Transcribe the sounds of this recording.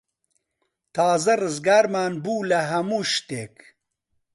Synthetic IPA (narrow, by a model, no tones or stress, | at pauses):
t̪ʰaːzɐrɨzɡaːɾmaːnbuːlɐɦɐmuːʃt̪eːk